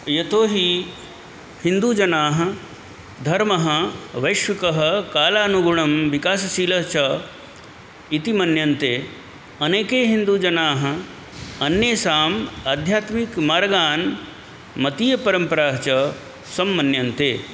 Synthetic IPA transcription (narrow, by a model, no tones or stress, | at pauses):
jɐt̪oːɦi | hind̪uːd͡ʒɐnaːɦɐ̆ | d̪ʱɐɾmɐɦɐʋɐjʃʋɐkɐɦɐkaːlaːnuɡuɳɐmʋikaːsɐsiːlɐɦt͡ʃɐ | it̪imɐnjɐnt̪eː | ɐneːkeːɦind̪uːd͡ʒɐnaːɦɐ̆ | ɐnjeːsaːmaːd̪ʱjaːt̪mikmaːɾɐɡaːn | mɐt̪iːjɐpɐɾɐmpɐɾaːɦɐt͡ʃɐ | sɐmːɐnjɐnt̪eː